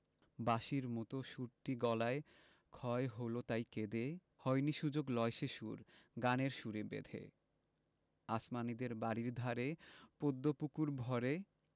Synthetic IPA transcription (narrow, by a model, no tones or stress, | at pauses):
baʃiɾmɔt̪oʃuɾʈiɡɔlae | kʰɔeɦolot̪ajked̪e | hɔjniʃud͡ʑoɡlɔeʃeʃṵɾɡaneɾʃuɾebḛd̪ʱḛ | asmanid̪eɾbaɾiɾd̪ʱaɾepod̪ːopukuɾbʱɔɾe